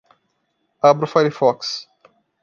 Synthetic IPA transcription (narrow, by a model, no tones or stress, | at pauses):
abɾʊfajɾifɔks